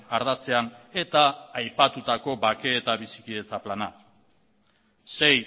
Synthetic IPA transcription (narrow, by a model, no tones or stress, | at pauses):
aɾðat͡se̞ane̞t̪aːjpat̪ut̪ako̞bake̞ːt̪aβisi̥kie̞t͡saplana | se̞j